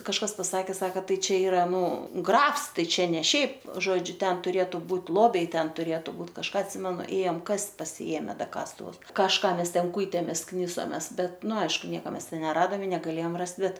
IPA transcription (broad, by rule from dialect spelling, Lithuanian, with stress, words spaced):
kɐʃˈkɐs pɐˈsɑːkʲeː ˈsɑːkɐ ˈtɐɪ ˈt͡ʃʲɛ ˈiːrɐ ˈnʊ ˈɡrɐfs ˈtɐɪ ˈt͡ʃʲɛ nʲɛ ˈʃʲɛɪp ˈʒoːd͡ʒʲʊ ˈtʲɛn tʊˈrʲeːtʊ ˈbuːtʲ ˈlˠoːbʲɛɪ ˈtʲɛn tʊˈrʲeːtʊ ˈbuːt kɐʃˈkɑː ɐtʲˈsʲɪmʲɛnʊ ˈeːjɛm ˈkɐsʲtʲ pɐsʲɪˈeːmʲɛ ˈdɐ ˈkɑːstʊʋʊs kɐʃˈkɑː ˈmʲɛs ˈtʲɛn ˈkuːɪtʲeːmʲeːs ˈknʲɪsoːmʲɛs ˈbʲɛt ˈnʊ ˈɐɪʃkʊ ˈnʲiɛkɐ ˈmʲɛs ˈtʲɛn nʲɛˈrɑːdɐm ɪ nʲɛɡɐˈlʲeːjɛm ˈrɐst ˈbʲɛt